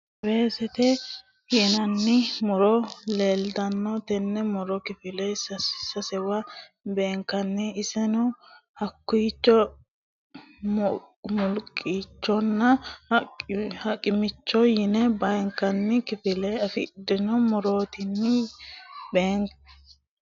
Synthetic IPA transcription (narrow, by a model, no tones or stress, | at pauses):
beːsɛt̪ɛ | jɪnɐnːɪmɔɾɔle̞ːld̪ɐnːɔt̪ɛnːɛmɔɾɔkɪfɪlɛsɐsɐsɛwɐbeːŋkːɐnːɪːsɛnɔhɐkːuːt͡ʃːɔ | mɔlkʼːiːt͡ʃːɔnːɐ | hɐkʼɪmɪt͡ʃːɔjɪnɛbɐjŋkːɐnːɪkɪfɪlɛɐfɪ̰d̪ɪnɔmɔɾoːt̪ɪnːɪ | beːŋ